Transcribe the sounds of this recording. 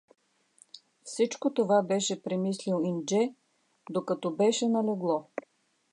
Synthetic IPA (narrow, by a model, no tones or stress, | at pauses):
fsit͡ʃkot̪ovabɛʃɛpɾɛmislilind͡ʒɛ | d̪okɐt̪ɔbɛʃɛnɐlɛɡlˠɔ